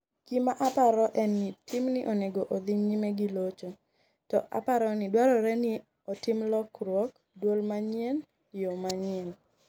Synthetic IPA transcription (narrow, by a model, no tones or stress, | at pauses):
kimaʔapaɾɔʔɛnːɪtɪmnɪʔoneɡoʔd̪ɪɲɲimeɡilot͡ʃo | tɔʔa̰paɾɔnɪdwaɾɔɾɛnɪ | otɪmlɔkɾwɔk | dwolmaɲɪɛn | jomaɲɪɛl